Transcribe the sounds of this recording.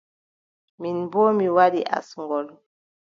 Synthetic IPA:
minbɔmiwadiʔa̰sŋɡɔlɔ

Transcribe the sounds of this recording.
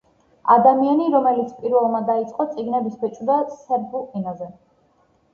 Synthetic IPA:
a̰d̪amianiɾɔmɛlit̪sʰpʼiɾvɛlˠmad̪ait̪sʼqʼɔt̪sʼiɡnɛbisbɛt͡ʃʼd̪asɛɾbuʔɛnazɛ

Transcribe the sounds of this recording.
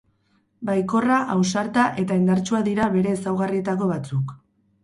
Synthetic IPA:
bajko̞raʔawsaɾt̪aʔe̞t̪aend̪aɾt͡ʃuaðiɾaβe̞ɾe̞ːsawɣarie̞t̪ako̞βat͡suk

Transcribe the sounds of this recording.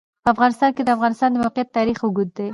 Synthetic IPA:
pəafɣɑnɪst̪ɑnked̪əafɣɑnɪst̪ɑnd̪əmawqɪjat̪ːɑɾixʊɡud̪ːe

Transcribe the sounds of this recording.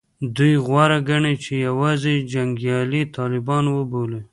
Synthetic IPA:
d̪ujɣwɑɾaɡaɳet͡ʃejawɑzed͡ʒaŋɡjɑlit̪ʰɑlɪbɑnwəbole

